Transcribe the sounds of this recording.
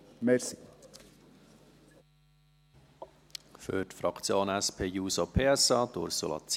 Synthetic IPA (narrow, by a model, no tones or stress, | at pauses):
mɛɾsi | fø̰tfɾɑkʰt͡sjoːnæspʰeːjuːsopʰeːɛsɑːd̥̪ʊ̰ɾsolɑ̰t͡s